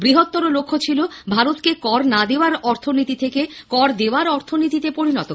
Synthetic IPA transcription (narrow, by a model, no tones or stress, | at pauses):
bɾiɦot̪ːoɾolokʰːot͡ɕʰilobʱaɾot̪kekɔɾnad̪eoaɾɔɾt̪ʰonit̪it̪ʰekekɔɾd̪eoaɾɔɾt̪ʰonit̪it̪epoɾinɔt̪o